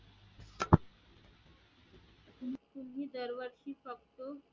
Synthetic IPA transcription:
t̪umɦid̪əɾʋəɾʃiːfəkt̪o

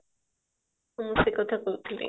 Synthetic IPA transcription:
umusikʼɔt̪ʰakʼut̪ʰlḭ

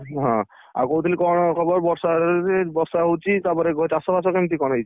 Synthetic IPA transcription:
ɦɔ̃ | a̰ɾkot̪ʰilikɔɹnɔkʰɔbɔɾbɔɾsaebɔɾsaɦowt͡ʃʰit̪apɔɾeɡɔtasɔbas̬ɔkemt̪ikɔnɦejt͡ʃʰi

